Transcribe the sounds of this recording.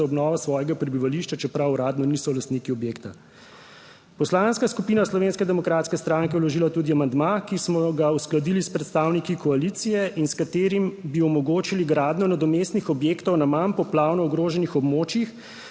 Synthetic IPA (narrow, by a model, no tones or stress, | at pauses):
aɔbnɔːʋasʋɔːjɛɡapɾɛbiʋaliʃt͡ʃat͡ʃɛpɾawɾaːd̪nɔnisɔlast̪niːkiɔbjeːkt̪a | pɔslanskaskupiːnaslɔʋeːnskɛd̪ɛmɔkɾat̪skɛst̪ɾaŋkɛwlɔʒiːlat̪uːd̪iamand̪makismɔɡausklad̪ilispɾɛt̪st̪aːwnikikɔalit̪sijɛʔinskat̪eːɾimbiɔmɔɡoːt͡ʃiliɡɾaːd̪nɔnad̪ɔmest̪nixɔbjeːkt̪ɔwnamanpɔplaːwnɔɔɡɾoːʒɛnixɔbmoːt͡ʃjix